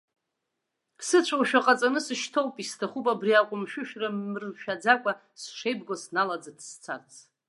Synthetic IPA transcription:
kʰsɨt͡ɕʷʰawʃᶣaqʼat͡sʼanɨsɨʃtʰowpʼistʰaχupʼabriaqʷʼʊmʃᶣʊʃᶣrarʃᶣad͡zakʷʼa | sʂejbɡʷosnalad͡zadʰʼst͡sʰa̰rt͡sʰ

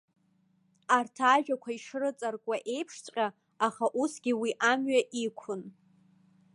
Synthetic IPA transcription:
artʰaːʒᶣakʷʰaiʂɨrɨt͡sʼarkʷʼaʔe̞jpʰʂt͡sʷʼqʲʼa | aχaʔusɡʲiwiʔamɥaʔikʷʰʊn

